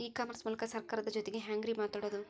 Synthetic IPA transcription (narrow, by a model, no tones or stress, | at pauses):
iːkaːmɐɾsmuːlɐkɐsɐɾkaːɾɐd̪ɐd͡ʒot̪eɡeɦaːŋɡɾimaːt̪aːɽod̪u